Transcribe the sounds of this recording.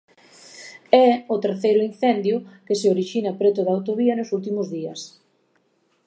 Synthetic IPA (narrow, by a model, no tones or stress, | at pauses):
ɛʊt̪eɾθejɾʊin̟θɛnd̪jʊkɪseoɾiʃinɐpɾet̪ʊðawt̪oβiɐnʊsult̪imʊzðiɐ̰s